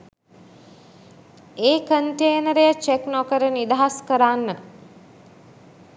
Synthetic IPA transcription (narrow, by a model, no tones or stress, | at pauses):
eːkəɳʈeːnəɾejət͡ʃeknɔkəɾənid̪aɦaskəɾaːnːə